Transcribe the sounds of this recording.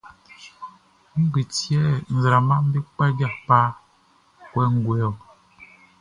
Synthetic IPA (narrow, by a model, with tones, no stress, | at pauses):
ŋ̩˦ɡi˨tjɛ˦n̩˨zɾa˨ma˦m̩˦bi˦k͡pa˦ɡa˦˨pa˦ | kwɛ˦ŋ˦˨ɡwɛ˦ɔ˨